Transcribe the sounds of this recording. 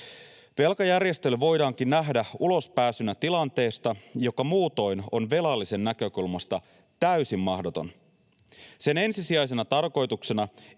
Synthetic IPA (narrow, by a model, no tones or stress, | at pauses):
ʋe̞lkɑjærje̞st̪e̞lyʋo̞jdɑːŋk̟inːæɦdæulo̞spæːsynæt̪ilɑnt̪e̞ːst̪ɑjo̞kɑmuːt̪o̞jno̞nʋe̞lɑlːise̞nːækø̞kulmɑst̪ɑ | t̪æysimːɑhdo̞t̪o̞̰n | se̞ne̞nsisiɑjse̞nɑt̪ɑrko̞jt̪ukse̞nɑ